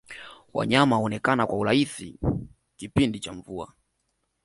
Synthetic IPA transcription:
wa̰ɲamaɔnɛkanakwaulaiθḭ | kipindit͡ʃaɱvua̰

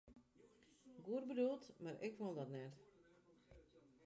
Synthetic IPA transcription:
ɡuərbədulˠtmarɛ̰kʋolˠdɔtnɛt

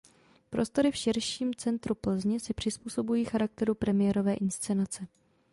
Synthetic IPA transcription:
pɾo̞st̪o̞ɾɪfʃɪɾʃiːmt͡sɛnt̪ɾupl̩zɲɪsɪpr̥ɪspuːso̞bujiːxaɾak̚t̪ɛɾupɾɛmɪjɛɾo̞vɛːʔɪnst͡sɛnat͡sɛ

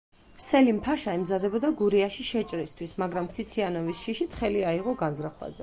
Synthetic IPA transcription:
sɛlimpʰaʃaɛmzad̪ɛbɔd̪aɡuɾiaʃiʃɛt͡ʃʼɾist̪ʰwismaɡɾamt̪sʰit̪sʰianɔvisʃiʃit̪ʰχɛliaiʁɔɡanzɾaχwa̰zɛ

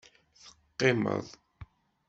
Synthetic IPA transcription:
θə̥qːema̰ð

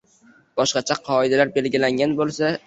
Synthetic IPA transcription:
b̥ɒʃqɑt͡ʃʰaqʰɒɪd̪alaɾbe̞lɡʲilaŋɡʲanbolˠsa

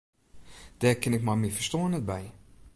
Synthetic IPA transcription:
d̥ɛːkɪnɪkmamifəstoːnɛt̚bɛj

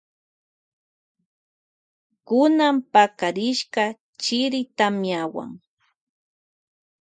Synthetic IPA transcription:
kʊnampakaɾɪʃka | t͡ʃɪɾɪt̪amjawa̰ŋ

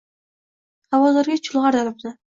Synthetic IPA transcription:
hawɒzaɾɡʲat͡ʃʰʊlˠʁɑɾd̪alp̚nɪ

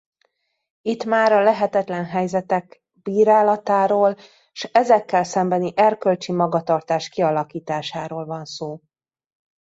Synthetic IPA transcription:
it̪maːɾɒlɛɦɛt̪ɛt̪lɛnɦɛjzɛt̪ɛk | biːɾaːlɒt̪aːɾoːl | ʃɛzɛkːɛlsɛmbɛniʔɛrkølt͡ʃimɒɡɒt̪ɒrt̪aːʃkiɒlɒkiːt̪aːʃaːɾoːlvɒnsoː

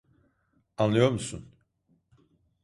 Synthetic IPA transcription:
anlˠajo̞ɾmusṵn

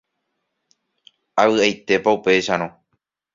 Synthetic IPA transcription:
aβɨajt̪e̞paupe̞ʃaɾ̃õ

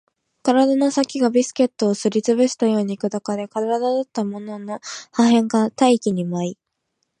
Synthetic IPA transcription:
kaɾad̪ano̞sakʲiɡabʲisɨ̥ke̞t̪ːo̞ːsɨɾʲit͡sɨbɯ̟ɕi̥t̪ajo̞ːɲ̟iːkɯ̟d̪akad̪e̞kaɾaɾad̪ad̪at̪ːamo̞no̞no̞haɦẽ̞ŋɡat̪aikʲiɲ̟imai

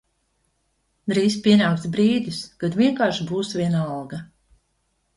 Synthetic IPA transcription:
d̪ɾiːspʲiɛnaːkt̪sbɾiːd̪ʲiskad̪vʲiɛŋkaːɾʃbuːsvʲiɛnaalˠɡɐ

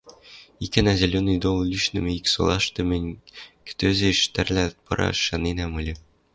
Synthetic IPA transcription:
ikɘnæzʲælʲonːɤ̆jd̪olˠlʲyʃnɘ̆mɘikso̰lˠɑʃt̪ɤ̆mɘnʲkɘ̥̆t̪øzɘ̆iʃt̪æɾlʲæpɤ̰̆ɾʔɑ̰ʃɑninæmulʲɘ

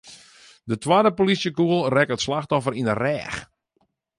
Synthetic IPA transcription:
dətwaːdəpolisjəkuəlˠrɛkətslaxtɔfəɾinərɛːx

